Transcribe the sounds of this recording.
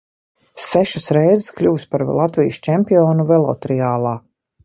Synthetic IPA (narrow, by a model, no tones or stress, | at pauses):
sæʃasɾɛjzɪsklʲuːspaɾlˠat̪vijst͡ʃɛmpiɔːnuvɛlˠɔ̰t̪ɾɛaːlˠaː